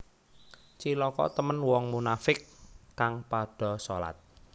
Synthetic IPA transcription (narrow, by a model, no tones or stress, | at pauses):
t͡ʃilɔkɔ̰t̪əmənwɔŋmunafɪkːaŋpaɖ̥ɔ̤so̰la̰t̪̚